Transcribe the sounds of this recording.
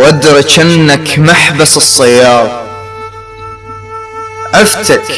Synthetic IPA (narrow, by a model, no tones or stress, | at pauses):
ʔad̪ɾˤɑt͡ʃʔanːakmaħbasɨsˤːɑjːɑːðˤ | ʔaft̪ak